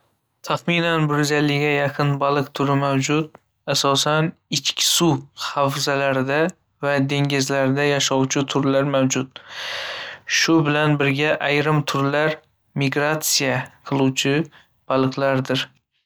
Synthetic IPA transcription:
t̪ʰaχminanbʊɾzalːɪɡʲajaqʰɨnbalˠɨqt̪ʰʊɾɪmawd͡ʒʊt̪̚ | asɒsanɪt͡ʃkʲʰɪ̥suhafzalaɾɪd̪a | vad̪e̞ŋɡʲɪzlaɾɪd̪ajaʃɒwt͡ʃʰɪt̪ʰʊɾlaɾmawd͡ʒʊt̪ | ʃʊbɪlanbɪɾɡʲaʔajɾɪmt̪ʰʊɾlaɾ | mɪɡɾat̪sijaqʰɨlˠuwt͡ʃʰɪ | b̥alˠɨqlaɾd̪ɪɾ

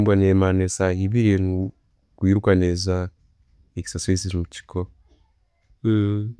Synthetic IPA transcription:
mbwanemanesaiβiɾenu | kwiːɾukaneza | eci̥sasesimuci̥kʰo

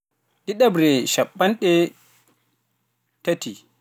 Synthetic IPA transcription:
ɗiɗabɾɛʃaɓːanɗɛ | tati

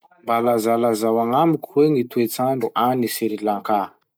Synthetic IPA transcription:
mbalazalazawaŋamikʲuweŋit̪uet͡saɳɖ͡ʐuʔanisiɾilaŋka

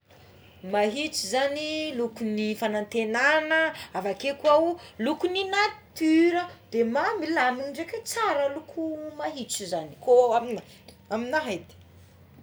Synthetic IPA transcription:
maɦit͡sizanilukunifanant̪enanəavakekuawulukuninḁt̪yɾəd̪̥emamilaminɖ͡ʐeket͡saɾəlukʰumaɦit͡sizani̥koamina | aminaɦajd̪i̥

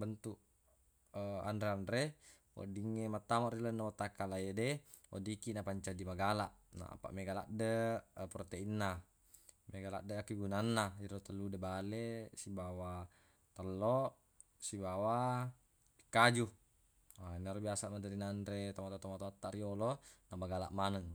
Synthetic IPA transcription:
bənt̪uʔ | a̰ndɾeandɾe | o̰diŋːemat̪ːamaʔrilonːamat̪ːakalajedeo̰dikinapaɲt͡ʃadimaɡalaʔna̰a̰pa̰ʔmeɡala̰ʔdəprot̪einːa | meɡala̰ʔdəakiɡunanːaiɾot̪alːudebalesibawa | t̪əlːoʔ | sibawa | pi̥kːad͡ʒu | ainːaɾobiasaʔmad͡ʒaɾinaːndɾet̪amat̪at̪omat̪oat̪ːaʔɾiolonamaɡala̰ʔmanəŋ

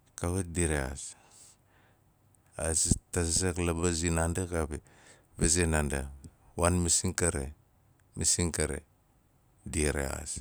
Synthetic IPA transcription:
kaβediɾea̰s | azitaszeklabazinandakapi | bezenanda̰wanmisiŋkaɾḛ | misiŋkaɾḛ | diɾḛa̰s

